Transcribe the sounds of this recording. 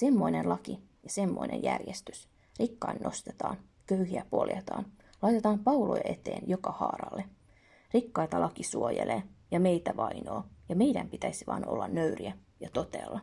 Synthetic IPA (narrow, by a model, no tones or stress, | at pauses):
se̞mːo̞inenlɑki | jɑsemːoinʔḛjjærjest̪ys | rikːɑinːʔo̞st̪e̥t̪ɑːn | køyhiæpo̞̰ljet̪ɑːn | lɑjt̪et̪ɑːmpɑulo̰jʔet̪ḛːnjokɑhɑːrɑ̰lːe | rikːɑit̪ɑlʔɑkisuojḛlʔeːjɑmeijt̪æʋɑinoːjɑmejdæmpit̪æisiʋɑ̰ːnʔo̞̰lːɑnːøyriæ | jɑt̪o̞t̪eːlːɑ